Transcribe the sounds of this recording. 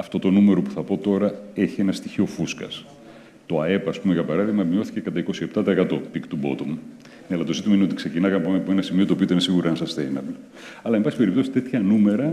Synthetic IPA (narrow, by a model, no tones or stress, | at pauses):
ɐft̪o̞t̪o̞nume̞ɾo̞pu̥θɐpo̞t̪o̞ɾɐe̞çienɐst̪içio̞fuskɐ̰s | t̪o̞ɐe̞pɐːspumeʝɐpɐɾɐðiɣmɐmio̞θi̥ce̞kɐt̪ɐiko̞siept̪ɐt̪ɐːkɐt̪o̞pikt̪ubo̞̰t̪omu | neɐlɐt̪o̞zit̪imɐineot̪ikse̞cinɐkɐnɐpoeɐpoe̞nɐsimio̞t̪opit̪inesiɣuɾiɐnsɐst̪ejnɐbl | ɐlɐembɐsipeɾipt̪o̞si̥t̪e̞t̪çɐnume̞ɾɐ